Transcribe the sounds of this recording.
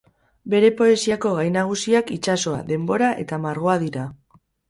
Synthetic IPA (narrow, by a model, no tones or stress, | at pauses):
be̞ɾe̞po̞e̞siako̞ɣ̞ajnaɣ̞usiakit͡ʃaso̞a̰ðe̞mbo̞ɾaʔe̞̰t̪amaɾɣ̞o̞aðiɾa